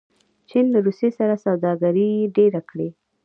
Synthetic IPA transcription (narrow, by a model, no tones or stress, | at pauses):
t͡ʃinlaɾusesaɾasawd̪ɑɡaɾiɖeɾakɽe